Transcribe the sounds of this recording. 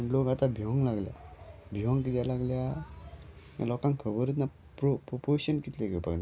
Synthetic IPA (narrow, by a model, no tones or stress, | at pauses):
lɔɡatʰabiɔŋlaɡleja̰biɦɔŋkitjalaɡleja | lɔkaŋkʰɯbɯɾɯt̬̚na | pɾpɾopʰosɔnkitleɡɯpʰa̰k̚da